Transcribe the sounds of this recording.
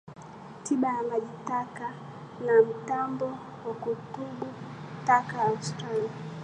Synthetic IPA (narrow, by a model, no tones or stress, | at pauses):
tiɓajamaʄitaka | nam̩tambɔ | wakutuɓutakaːstɾala